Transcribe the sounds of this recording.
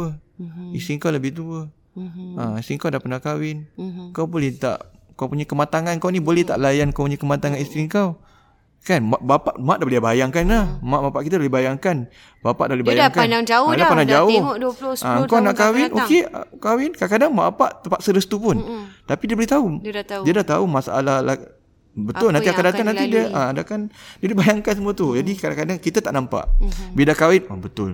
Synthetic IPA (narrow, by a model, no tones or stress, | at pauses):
əist̪ɾiŋkawləbɪht̪uə | aisiŋkawdapanaʔkawɪnəkawbolɛht̪a̰ʔ | kawpuɲakəmat̪aŋanŋkawnibolɛht̪a̰ʔlajankawpuɲakəmat̪aŋanist̪ɾiŋkaw | kanmaʔbapaʔmaʔdaəliabajaŋkanlahmaʔbapaʔkit̪adalibajaŋkan | bapa̰ʔdalebajŋkaaŋd͡ʒaʊdapənad͡ʒaʊhdlaəŋkawnaʔkawɪnʔo̰kḛkawɪnkaakadaŋma̰ʔapa̰ʔt̪əmpaʔsəɾəst̪upʊnt̪apidiəbəɾiht̪audiadaht̪a̰umasaʔa̰lahla | bət̪ʊlnaniakadat̪aŋnãnt̪idiəaadakandiadibajaŋkansəmuət̪ud͡ʒadikadaŋkadaŋkit̪at̪aʔnampa̰ʔbidakawɪnabət̪ʊl